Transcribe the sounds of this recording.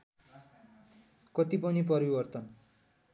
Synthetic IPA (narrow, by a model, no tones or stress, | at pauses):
kʌt̪ip̬ʌnipʌɾibʌrt̪ʌn